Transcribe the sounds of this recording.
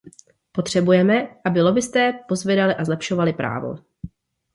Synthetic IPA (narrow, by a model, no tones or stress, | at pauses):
po̞t̪r̝̥ɛbujɛmɛʔabɪlo̞bɪst̪ɛːpo̞zvjɛdalɪʔazlɛpʃo̞valɪpɾʔa̰ːvo̰